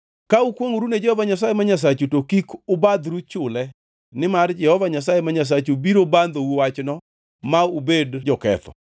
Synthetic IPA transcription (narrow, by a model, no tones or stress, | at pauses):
kaukwoŋuɾuned͡ʒɛhɔvaɲasajemaɲas̬at͡ʃutokikʊbad̪ɾut͡ʃʊlɛ | nɪmard͡ʒɛhɔvaɲas̬ajemaɲas̬at͡ʃubiɾoband̪owuwat͡ʃnɔ | maubedd͡ʒɔkɛ̰t̪ɔ̰